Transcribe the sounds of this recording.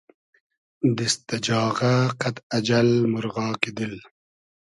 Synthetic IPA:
d̪əst̪ɐd͡ʒɑːʁaqat̪ad͡ʒalmʊɾɣɑːked̪əl

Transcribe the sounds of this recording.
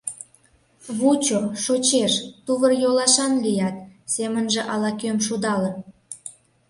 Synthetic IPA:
βut͡ɕoʃot͡ɕeʃt̪uβərjolɑʃɑnlijɑt̪̚semənʒĕʔɑlɑkømʃud̪ɑlə

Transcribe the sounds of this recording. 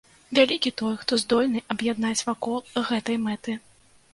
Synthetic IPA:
vʲalʲikʲit̪ɔjxt̪ɔzd̪ɔlʲnɨʔɐbjad̪nat͡sʲvakɔlˠɣɛt̪ɐjmɛt̪ɨ

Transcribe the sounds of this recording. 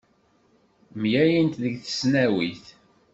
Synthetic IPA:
mjæjint̪ðəɡθə̥snæwiθ

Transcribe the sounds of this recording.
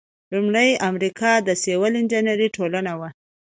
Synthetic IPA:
lumɽəjamɾikʰɑd̪əsewəlɪnd͡ʒanaɾiʈʰolənawa

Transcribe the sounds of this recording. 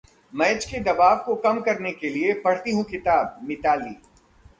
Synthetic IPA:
mɐːt͡ʃked̪ɐbaːʋkokɐmkɐɾnekeliepɐɽ̤t̪iɦũkɪt̪aːb̚mɪt̪aːliː

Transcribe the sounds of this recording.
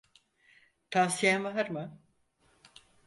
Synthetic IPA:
t̪ʰaːsijænvaɦaɾma

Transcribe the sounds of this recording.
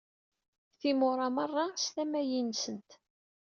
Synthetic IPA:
θimʊɾˤɑmərˤːɑst̪æmæjinsənt̪

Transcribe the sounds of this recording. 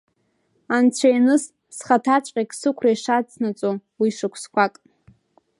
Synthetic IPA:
ant͡ɕʷʰajnɨs | sχatʰat͡ɕʷʼqʲʼakʼsɨkʷʰrajʂat͡sʰnat͡sʼowiʂɨkʷʰskʷakʼ

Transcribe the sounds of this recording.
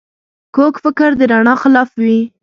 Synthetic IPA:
kokfɪkəɾd̪əɾaɳɑxɪlɑfwi

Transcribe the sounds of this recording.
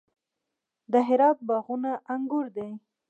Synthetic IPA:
d̪əɦɪɾɑt̪̚bɑɣunaʔaŋɡʊɾd̪ej

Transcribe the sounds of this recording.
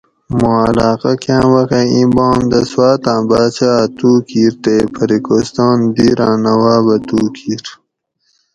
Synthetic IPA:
moːalaːqakʰjãːwɐxeibɑːnd̪əswaːt̪ãːbaːt͡ɕat̪uːkiːɾt̪eːpʰəɾikost̪ɑːnd̪iɾãːnɐwaːbɐt̪uːkʰiːɾ

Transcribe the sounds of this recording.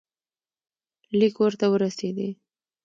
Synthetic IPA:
likwəɾt̪awəɾased̪i

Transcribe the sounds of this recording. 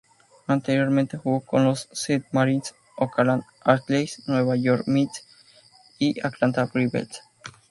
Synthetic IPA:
ant̪eɾjoɾmẽnt̪exukonlosːed̪̚maɾins | okalan | aɾt̪lejsnweβajoɾmit̪s | iʔaklant̪apɾiβḛls

